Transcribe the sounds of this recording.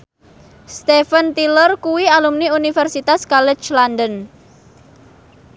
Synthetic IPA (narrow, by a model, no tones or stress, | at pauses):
st̪efənt̪ilərkuwialumniunifɛrsit̪askɔlɛt͡ʃlandən